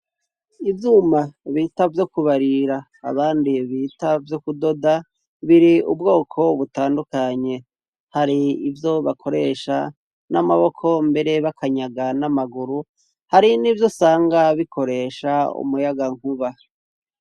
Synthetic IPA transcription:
ivjuːmaβiːtavjo̞kuβaɾiɾa̰ː | βaːndiβiːtavjokudo̞da | βiɾiubɡo̞ːkʰo̞βutaːndukaɲe̞ | haɾiːvjo̞βakʰo̞ɾe̞ːʃa̰ | namaβo̞kʰo̞mbe̞ɾe̞βakʰaɲaɡanamaɡuɾu | haɾiniːvjo̞saːŋɡaβikʰo̞ɾe̞ːʃaṵmujaɡaŋ̥huβa

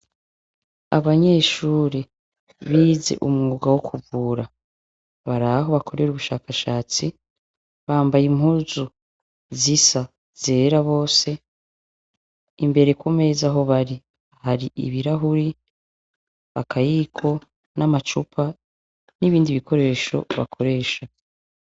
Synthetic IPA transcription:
a̰βaɲe̞ːʃuːɾe | βiːze̞̰ʔumŋuɡawokʰuvuːɾa | βaɾaɦo̞βako̞ɾe̞ɾuβuʃaːkaʃaːt͡si | βaːmbajim̥huzu | zisa | z̥e̞ːɾaβo̞ːse̞ | imbe̞ɾe̞kume̞zaɦo̞βaɾi | haɾiʔḭβiɾaɦuɾi | βakʰajiːkʰo̞ | namat͡ʃupʰa | niβiːndiβikʰo̞ɾe̞ːʃo̞̰βa̰kʰo̞ɾe̞ːʃa

